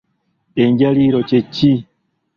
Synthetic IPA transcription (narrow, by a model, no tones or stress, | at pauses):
eɲɟaliɾot͡ʃecːi